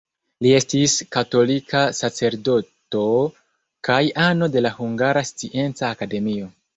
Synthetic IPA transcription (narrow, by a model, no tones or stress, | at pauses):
lie̞stiskato̞likʰasat͡se̞ɾdo̞to̞ | kajano̞de̞lahuŋɡaɾast͡siʔe̞nt͡saːkade̞mio̞